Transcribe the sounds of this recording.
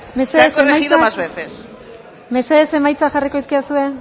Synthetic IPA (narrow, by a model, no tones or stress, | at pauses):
me̞seesemajiðoaazβeθes | me̞se̞ðe̞se̞majt͡saxariko̞iskiasue̞